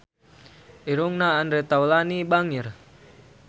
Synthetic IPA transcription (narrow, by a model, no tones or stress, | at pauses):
ʔiɾuŋnaːndɾɛt̪awlanibaŋir